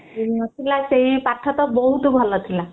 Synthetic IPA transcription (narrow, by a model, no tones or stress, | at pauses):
inɔt̪ʰilaseɦipaʈʰːɔt̪ɔbɔɦut̪bʱɔlɔt̪ʰila